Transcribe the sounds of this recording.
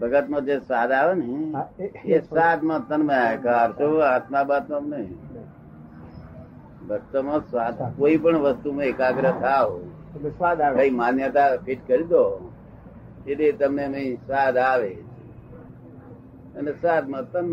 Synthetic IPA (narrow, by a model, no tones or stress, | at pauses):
bʱəɡət̪mãd͡ʒesaːd̪aʋənɦẽ | esaːd̪mãt̪ənmẽakaːɾt͡ʃʰoaːt̪mabat̪mãmne | bəst̪əmãsaːd̪koːipəɳʋəst̪umãekaɡɾət̪ʰaʋo | sad̪kəimãnjət̪apʰiʈkəɾid̪o | eʈet̪əmemĩsaːd̪aːʋet͡ʃʰe | ənesaːd̪mãt̪ənm